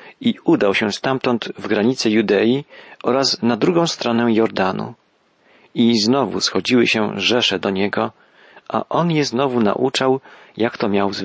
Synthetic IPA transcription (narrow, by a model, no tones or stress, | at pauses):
iud̪awɕɛst̪amt̪ɔnt̪vɡɾaɲit̪sɘjud̪ɛjiʔɔɾasnad̪ɾuɡɔ̃w̃st̪ɾɔnɛjɔɾd̪anṵ | iznɔvṵsxɔd͡ʑiwɘɕɛʐɛʂɛd̪ɔɲɛɡɔ | ʔa̰ʔɔnjɛznɔvuna̰ʔut͡ʂawjakt̪ɔmʲjawz